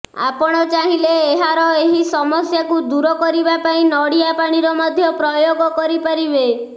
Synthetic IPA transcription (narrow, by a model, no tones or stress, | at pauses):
a̰pɔɽ̃ɔt͡ʃaɦileːɦaɾɔeɦisɔmɔsjakud̪uɾɔkɔɾibapaĩnɔɽijapaɽ̃iɾɔmɔd̪ʱjɔpɾɔjoɡɔkɔɾipaɾibe